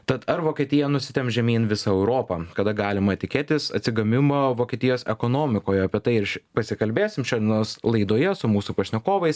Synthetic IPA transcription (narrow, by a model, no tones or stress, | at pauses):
t̪ɐt̪ɐɾʋoːkʲeɛt̪ʲɪjɛnʊsʲɪt̪ʲɛmpʒʲɛmʲiːnʋʲɪsɐɛʊɾoːpɐkɐd̪ɐɡɑːlʲɪmɐt̪ʲɪkʲeːt̪ʲɪsɐ̰t̪ʲsʲɪɡɐmʲɪmoːʋoːkʲeɛt̪ʲɪjoːsɛkoːnoːmʲɪkoːjɛɐpʲiɛt̪ɐɪɪɾʃʲɪpɐsʲɪkɐlʲbʲeːsʲɪmʃʲoːd̪ʲɛnoːslˠɐɪd̪oːjɛsʊmuːsupɐʃʲnʲɛkoːʋɐɪs